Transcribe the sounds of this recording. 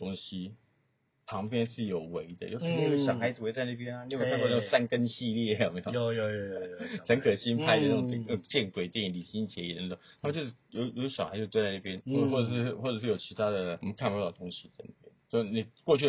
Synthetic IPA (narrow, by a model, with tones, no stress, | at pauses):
t̪o˥ŋɕi˥ | pʰɑ˧˥ŋpjɛ˥nʂɻ̩˥˩jo˨˩ʊwe˧˥ɪd̪ə̰˧jo˥˩t̪ʰa˥˩wɕjɑ˨˩ʊxa˧˥ɪt͡s̩˥˧we˧˥ɪt͡sa˥˧ɪna˥˩pjɛ˥na˧n˧˥˩we˥ka˥˧˥ʂa˥nkə˥nɕi˥˧ljɛ˥˧˥jo˨˩me˧˥˧jo˧jxə˧˦˥kʰɤ˨˩ɕi˥npʰa˥ɪdə˨˧˩oʊ˨˩ŋ˥˩n˥˩o˨˩ŋt͡ɕjɛ˥˩nkwe˨˩ɪt̪jɛ˥˩ni˨˩nli˨˩ɕi˥ŋt͡ɕʰjɛ˧˥i˨˩ə˧˦n˧˩t̪o˨˩t̪ʰa˥m˧˨˦t͡ɕo˥˧˩ʂ̩˥˩jo˧ʊjo˨˧˦ɕxa̰˧˥t͡ɕo˥˧twt͡sa˥˧na˥˩pjɛ˥nxwɔ˥˩ɤ˨˩ʂ̬ɻ̩˥˩˥xwɔ˥˩ə˨˩ʂɻ̩˥˩jo˨˩t͡ɕʰi˧˥t̪ʰa˥d̪ə˨mə˦nkʰa˥˧pu˥t̪ɑ˥˩d̪ə˩t̪o˥ŋɕi˥a˥˧˩na̰˥˩pjɛ̰˥˦nso˥˩˧ni˨˩kwɔ˥˧t͡ɕʰy˥˩